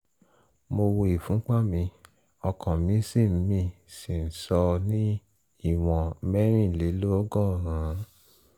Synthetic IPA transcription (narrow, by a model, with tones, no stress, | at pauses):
mo˧wo˧i˨fũ˨˦k͡pa˦˨mĩ˧ | ɔ˧kɔ̃˨mĩ˨˧˦si˦˨m̩˨˦mĩ˧ | si˨n̩˨sɔ˧nĩ˦ | i˦˨w̃ɔ̃˨mɛ˦ɾ̃ĩ˦˨le˨˦lo˦ɔ˦ɡɔ̃˦˨ɾ̃ã˨˦